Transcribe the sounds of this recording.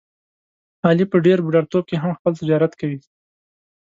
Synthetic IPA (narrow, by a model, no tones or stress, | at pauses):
hɑlipəɖeɾbuɖaɽt̪ob̚keɦamxpəlt̪ɪd͡ʒɑɾat̪kawi